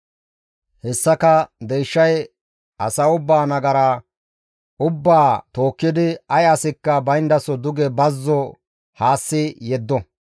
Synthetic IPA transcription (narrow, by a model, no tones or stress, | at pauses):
hɛsːɐkɐd̪ejʃːɐj | ʔɐsɐʊbːaːnɐɡɐɾa | ʊbːaːt̪o̞ːkːɪd̪ɪɐjɐsɪkːɐbɐjnd̪ɐsɔd̪ʊɡɛbɐzːɔ | haːsːɪjɛd̪ːɔ